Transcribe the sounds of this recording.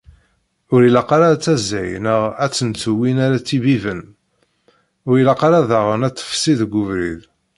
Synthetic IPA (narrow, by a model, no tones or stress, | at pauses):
ʊɾilɑqɑɾat͡sːæzːæjnəʁæt͡sːənt͡sːuwinaɾat͡sːibivən | ʊɾilɑqɾaðæʁənæt̪ˤːə̥fsiðɡʷuvɾḭð